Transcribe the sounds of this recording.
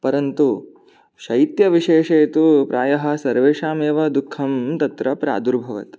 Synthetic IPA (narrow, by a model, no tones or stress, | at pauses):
pɐɾɐnt̪u | ʃɐjt̪jɐʋiʂeːʃejt̪upɾaːjɐɦɐ̆sɐɾʋeːʃaːmeːʋɐd̪ukʰːɐmt̪ɐt̪ɾɐpɾa̰ːd̪uɾbʱɐʋɐ̰t̪